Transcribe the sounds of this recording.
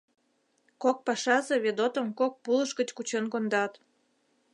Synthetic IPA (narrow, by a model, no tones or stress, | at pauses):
kok̚pɑʃɑzeβed̪ot̪əmkok̚puləʃkət͡ɕkut͡ɕenkond̪ɑt̪